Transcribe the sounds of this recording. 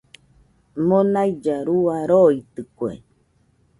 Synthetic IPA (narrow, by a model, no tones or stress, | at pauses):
mõnajd͡ʒaɾuaɾoit̪ɨkwḛ